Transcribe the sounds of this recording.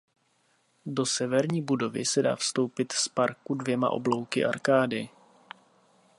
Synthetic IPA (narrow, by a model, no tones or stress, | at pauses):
do̞sɛvɛɾɲiːbudo̞vɪ̰sɛda̰ːfst̪o̞wpɪt̪spaɾkudvjɛma̰ʔo̰blo̞wkɪ̰ʔa̰ɾkaːdɪ